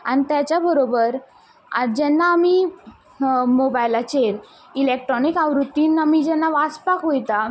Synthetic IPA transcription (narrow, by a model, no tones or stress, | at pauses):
anit̪jat͡ɕjabəɾobəɾ | ad͡ʑɛnːaːmi | mobajlat͡ɕeɾ | ilek̚ʈɾɔnikaʋɾut̪ːiːnamid͡ʑɛnːaʋaspakɦojt̪a